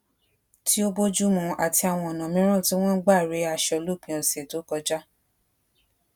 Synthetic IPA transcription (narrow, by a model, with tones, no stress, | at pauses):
ti˦o˦bo˦d͡ʒu˦mũ˧a˨ti˧a˨w̃ɔ̃˧ɔ˨nã˨mĩ˨˦ɾ̃ũ˦˨ti˦w̃ɔ̃˦ɡ͡ba˦˨ɾe˨˦a˧˨ʃɔ˧˨lo˦˨k͡pĩ˧˦ɔ˨se˨to˨˦kɔ˧d͡ʒa˦